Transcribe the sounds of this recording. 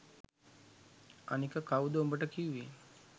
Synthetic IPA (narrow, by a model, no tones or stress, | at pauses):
a̰nikəkaud̪əombəʈəkiuʋi